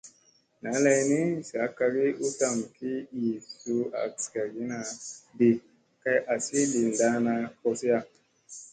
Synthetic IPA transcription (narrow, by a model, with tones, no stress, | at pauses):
na˨˦la˧jni˦sa˨˦ka˧ɡi˦ʔu˦ta˨mki˦i˨su˦a̰˨ska˨ɡi˨˦na˨be˨ | ka˧jʔa˨si˦li˨n˨da˦na˧kɔ˧si˦ja˧˨